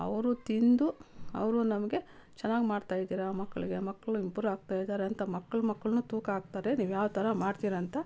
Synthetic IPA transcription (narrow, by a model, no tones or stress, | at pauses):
ɐ̰ʋɐɾut̪ind̪uɐ̰ʋɐɾunɐmɐɡe̞t͡ʃɛnːaːɡimaːɖt̪aːjid̪iːɾɐmɐkːɐɭiɡe̞mɐkːɐɭuimpuːɾaːɡ̚t̪aːjid̪aːɾeɐnt̪ɐmɐkːɐɭumɐkːɐɭnuːt̪uːkaːɡ̚t̪aːɾe̞niːʋjaːʋt̪ʰɐɾɐmaːɽt̪iːɾɐɐnt̪ɐ